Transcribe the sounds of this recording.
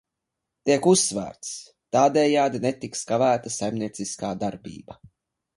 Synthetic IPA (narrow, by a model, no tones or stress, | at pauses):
t̪iɛkusːvæ̰ːɾt̪s | t̪aːd̪ɛːjaːd̪inet̪ikskavæːt̪asajmniɛt̪siskaːd̪aɾbḭːba